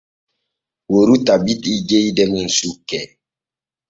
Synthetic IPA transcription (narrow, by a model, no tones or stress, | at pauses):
woɾutabitid͡ʒejdɛmun̩sukːɛ